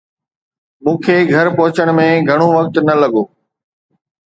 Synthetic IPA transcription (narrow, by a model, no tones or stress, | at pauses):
mũːkʰeːɡʱɐɾpɐɦʊt͡ɕəɽ̃mẽɡʱɐɽ̃oʋɐk̚t̪nɐlɐɠoː